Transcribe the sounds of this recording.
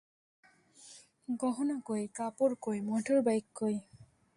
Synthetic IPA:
ɡɔɦɔnakojkapoɹkojmɔʈʰoɹbajkːoj

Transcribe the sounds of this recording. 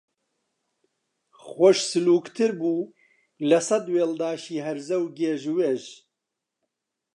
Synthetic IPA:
xʷɔʃsɨluːkt̪ʰɨɾbuː | lɐsɐd̪weːld̪aːʃiːɦɛɾzɛwɡeːʒweʒ

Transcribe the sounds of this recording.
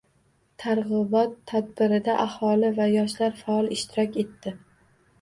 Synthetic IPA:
t̪ʰaɾʁɨbɒt̪ʰːad̪̚bɪɾɪd̪aʔahɒlɪvajɒʃlaɾfaɒlˠɪʃt̪ʰɪɾɒkʲe̞t̪ːɪ

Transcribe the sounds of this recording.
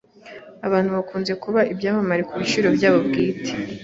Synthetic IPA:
aβaːn̥huβakuːnze̞kuβaʔibɟaːmamaɾikuβiʃiɾo̞bjaːβo̞bɡiːte̥

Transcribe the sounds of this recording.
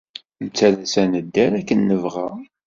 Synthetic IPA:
nt͡sːælæsænəd̪ːæɾækːənːəvʁa

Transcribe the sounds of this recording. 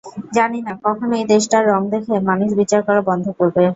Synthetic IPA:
d͡ʑaninakɔkʰonoejd̪eʃʈaɾːɔŋd̪ekʰemanuʃbit͡ɕaɾkɔɾobɔnd̪ʱokoɾbe

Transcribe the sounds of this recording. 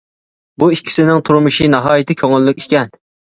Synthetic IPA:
buikʲʰːi̥sɪnɪŋt̪ʰuɾmɨʃinɑɦɑːjɪt̪ʰɪkʲʰøŋɪlːɪkʲi̥kʲɛn

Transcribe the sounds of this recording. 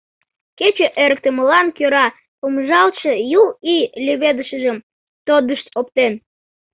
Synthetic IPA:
ket͡ɕeʔeɾək̚t̪əməlɑnkøɾɑ | pomʒɑlʃəjuilʲyβed̪əʃəʒəm | t̪od̪əʃt̪op̚t̪en

